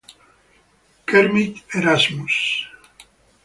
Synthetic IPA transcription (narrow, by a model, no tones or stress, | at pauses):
keɾmit̪eɾazmus